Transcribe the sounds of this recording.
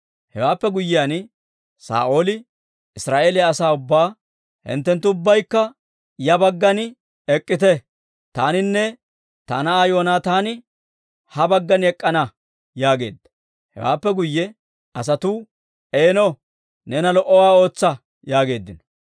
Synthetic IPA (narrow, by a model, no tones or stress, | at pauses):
hɛwaːpːɛɡʊjːɪjan | sa̰ːʔo̞ːlɪ | ɪsɾaːʔe̞ːlɪjɐːsaːʊbːaː | hɪ̰nt̪ːɛnt̪ːʊʊbːɐjkːɐ | jɐbɐɡːɐn | ɛkʼːɪt̪ɛ | t̪aːnɪnːɛ | t̪ɐ̰nɐaːjo̞ːnaːt̪aːnɪ | hɐbɐɡːɐnɛkʼːɐnɐ | jaːɡe̞ːd̪ːɐ̥ | hɛ̰wa̰ːpːɛɡʊjːɛ | ɐs̬ɐt̪uː | eːnɔ | nɛnɐlɔʔɔwaːo̞ːt͡sːɐ | jaːɡe̞ːd̪ːɪnɔ